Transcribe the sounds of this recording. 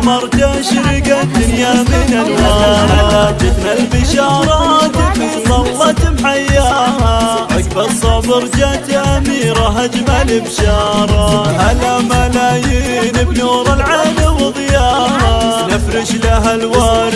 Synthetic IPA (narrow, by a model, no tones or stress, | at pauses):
mɑɾˤt̪aʃɾɪkad̪ʊnjamiːnalwaːɾd͡ʒɪt̪malbɪʃɑːɾˤɑt̪ɪbisˤɑlːɑt̪mħajːaːhaʔakbɑɾsˤɑbɨɾd͡ʒat̪ʔamiːɾaɦad͡ʒmalɪbʃɑːɾˤɑhalamalaːjiːnɪbnuːɾˤɪlʕamawɨðˤjaːhanɪfɾɪʃlaɦalwaːɾ